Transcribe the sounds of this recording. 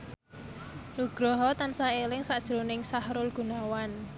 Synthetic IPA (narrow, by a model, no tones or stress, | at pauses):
nuɡ̥ɾɔɦɔt̪ansaelɪŋsaʔd̥ʒ̥ɾonɪŋsahɾʊlɡ̥unawan